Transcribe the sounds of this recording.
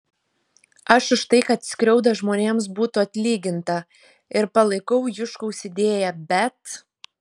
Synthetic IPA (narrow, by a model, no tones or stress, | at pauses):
ɐʃɪʃt̪ɐɪkɐt̪sʲkʲɾʲɛʊd̪ɐʒmoːnʲeːms̬buːt̪ʊɐt̪ʲlʲiːɡʲɪnt̪ɐ | ɪɾpɐlˠɐɪkɐʊjʊʃkoʊsʲɪd̪ʲeːjɛbʲɛt̪